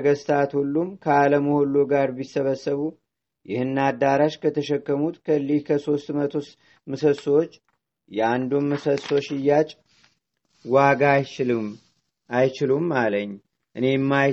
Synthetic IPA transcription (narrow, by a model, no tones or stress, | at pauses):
əɡəst̪ʰat̪hulːumkʰəaləmuholːoɡaɾbisːəβəsːəβu | jɪhɨnːad̪ːaɾaʃkʰət̪ʰəʃɛkːəmut̪kʰəlːikʰəso̞st̪mət̪ʰo | mɨsəswot͡ʃː | jɛand̪unmɨsəso̞t͡ʃːɪjːat͡ʃʼ | waɡajt͡ʃɪlɨm | ajt͡ʃɪlumːaləɲː | ʔɨne̞mːaj